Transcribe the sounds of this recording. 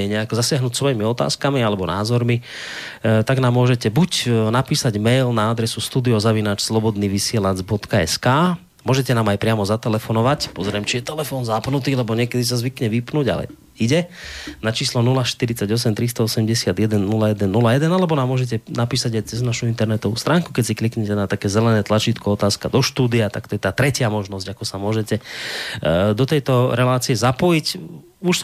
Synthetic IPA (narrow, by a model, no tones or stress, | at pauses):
ɛɲɛakɔzasɪaɦnuːcsʋɔjimiɔt̪a̰ːskamialɛbɔnaːzɔɾmi | t̪aɡnaːmːʊɔʒɛcɛbucnapiːsaɟmɛjlnaad̪ɾɛsust̪uːd̪iɔzaʋinaːt͡ʃslɔbɔd̪niːʋisɪɛlad͡zbɔt̪kaɛ̰skaː | mʊɔʒɛcɛnaːmajpɾɪamɔzat̪ɛlɛfɔnɔʋacpɔzɾɛmt͡ʃijɛt̪ɛlɛfɔːnzapnut̪iːlɛbɔɲɪɛkɛd̪is̬azʋikɲɛʋipnuːɟa̰lɛ̰ | iɟɛnat͡ʃiːslɔnulaʃt̪iɾit͡saɟɔs̬ɛmt̪ɾist̪ɔɔsɛmɟɛsɪad̪jɛd̪ɛnːulajɛd̪ɛnːulajɛd̪ɛnalɛbɔnaːmːʊɔʒɛc̬ɛnapiːsaɟajt͡sɛznaʃuint̪ɛɾnɛt̪ɔʋṵːst̪ɾaːŋku̥kɛcsiklikɲɛcɛnat̪akɛːzɛlɛnɛːt̪lat͡ʃit̪kɔɔt̪aːskad̪ɔʃt̪uːd̪iat̪a̰kt̪ɔjɛt̪aːt̪ɾɛcɪamɔʒnɔzɟakɔsamʊɔʒɛcɛ | d̪ɔt̪ɛjt̪ɔɾɛlaːt͡siɛzapɔjic | uʃ